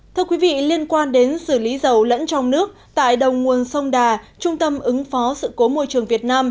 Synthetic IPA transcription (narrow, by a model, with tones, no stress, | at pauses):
t̪ʰɨ˧əkwi˨˦vḭ˧˨li˧ənkwaː˧nɗe˨˦nsɨ˧˩li˨˦zə˨˩wlə̰˧˥nt͡ɕɔ˧wŋ͡mnɨ˦˥ək̚t̪a̰ː˧˨jɗə˨˩wŋ͡mŋu˨˩ənsə˧wŋ͡mɗaː˨˩t͡ɕʊ˧ŋ͡mt̪ə˧mʔɨ˨˦ŋfɔ˨˦sɨ̰˧˨ko˨˦mo̰˧jt͡ɕɨ˨˩əŋvi˨˩ət̚naː˧m